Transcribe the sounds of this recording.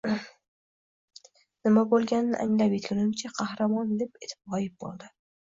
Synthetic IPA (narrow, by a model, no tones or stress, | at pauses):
nɪmabolˠɡʲanːɪ̰ʔa̰ŋlapjɪt̪ʰlɪnɪmt͡ʃʰaqʰɑhɾamɒnd̪e̞pet̪ʰɪ̥pɒjɪp̚bo̰lˠd̪ɪ